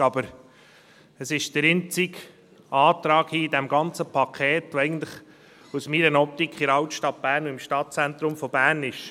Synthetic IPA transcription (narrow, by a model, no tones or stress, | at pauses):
ɑbəɾ | əsɪʃd̥̪əɾɪnt͡sik | ɑːt̪ɾɑːkhiːidɛmɡɑnt͡səpʰɑkʰɛːtʋoɛɪɡən̩t̪lɪχ | usmiːɾənɔp̚t̪ikχɪɾɑʊtʃtɑt̚b̥æːɾnuɪmʃtɑt̚t͡sænt̪ɾʊmfɔb̥æːɾnɪʃ